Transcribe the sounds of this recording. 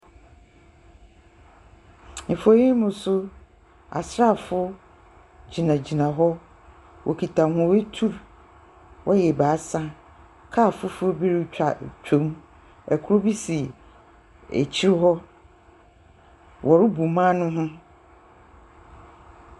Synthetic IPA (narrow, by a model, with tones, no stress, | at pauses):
n̩˨fo˨jĩ˦mʊ̃˨sʊ˦ | a̰˨sɾa˦˨fʊ˦ | d͡ʑi˨nã˨d͡ʑi˨nã˨ɦɔ˦ | wʔɔ̰˨kʰi˨tʰã˨mhʊ̃˦we˦tʰu˦˨ɾ | wʔɔ˦jɛ˨baː˨˦sã˦ | kʰa˦˨fʊ˦fʊ˦bi˦ɾi˦t͡ɕᶣa˨t͡ɕᶣʰõ˦m | ɛ˨kʰʊ˦ɾo˦bi˦si˨ | æ̰˨t͡ɕʰi˦ɾɦɔ˦ | wʔɔ˨ɾɪ˦bu˨mãː˦nʊ̃˦ɦʊ̃˦